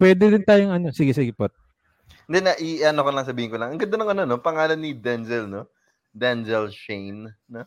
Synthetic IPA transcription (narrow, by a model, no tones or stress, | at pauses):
pwɛːd̪ɛd̪ɪnt̪aːjoŋɐno̞siɡɛsiɡɪpot̪̚ | nd̪ɛnɐʔiʔɐnokonlɐŋsɐbiːhɪnkolɐŋɐŋɡɐd̪ɐnɐŋɐnono̞pɐŋaːlɐnːid̪ɛnzɛlno | d̪ɛnzɛlʃejnno